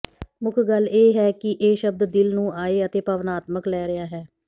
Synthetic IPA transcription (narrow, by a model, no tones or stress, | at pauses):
mʊkʰɡəlːeːɦɛːkɪʔeːʃəb̚d̪d̪ɪlnũːaːeːət̪eːpəʋnaːt̪məklɛːɾɪaːɦɛː